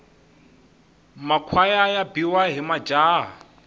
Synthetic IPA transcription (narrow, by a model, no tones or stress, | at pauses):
makʰwajajabiwaɦimad͡ʒaːɦa